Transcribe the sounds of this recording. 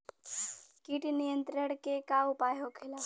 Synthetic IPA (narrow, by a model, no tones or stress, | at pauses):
kiʈnijənt̪ɾəɽ̃kekaʊpaːjokʰela